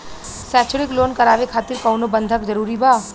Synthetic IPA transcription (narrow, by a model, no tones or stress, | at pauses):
sɛːt͡ʃʰʊɽɪkloːnkɐɾaːʋekʰaːt̪ɪɾkɔwnobə̃nd̪ʱəkd͡ʒəɾuːɾibaː